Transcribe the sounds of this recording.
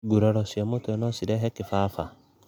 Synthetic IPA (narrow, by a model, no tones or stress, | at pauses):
ɡuɾɔɾɔsjamotoɛnɔsiɾɛɦɛkɪfafa